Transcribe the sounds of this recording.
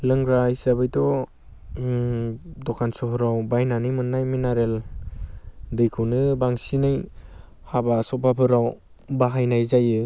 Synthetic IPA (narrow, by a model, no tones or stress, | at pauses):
lɯŋɡɾajsabɯjtɔ | dɔkʰansɔɦɯɾawbajnanɯjmɯnːajminaɾel | dɯjkʰɯwnɯbaŋsinɯj | habasɔpapʰɯɾaw | baɦajnajzajɯ